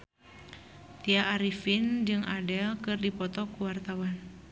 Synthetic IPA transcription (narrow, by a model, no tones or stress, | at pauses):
t̪iaʔːɾifind͡ʒɨŋʔadɛlkɨrdipɔt̪ɔkuwart̪awan